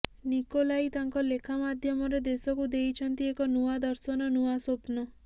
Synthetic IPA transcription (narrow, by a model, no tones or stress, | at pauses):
nikolajt̪aŋkɔlekʰamad̪ʱjɔmɔɾed̪esɔkud̪ejt͡ʃʰɔnt̪iekɔnuad̪ɔɾsɔnɔnuasopnɔ